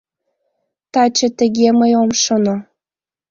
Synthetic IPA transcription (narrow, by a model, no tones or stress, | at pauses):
t̪ɑt͡ɕĕt̪ə̆ɣeməjomʃono